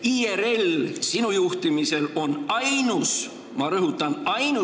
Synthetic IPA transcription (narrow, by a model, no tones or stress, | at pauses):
ieɾe̞lsinujuht̪imise̞lo̞nɑjnus | mɑɾɤɦut̪ːˑɑnɑjnu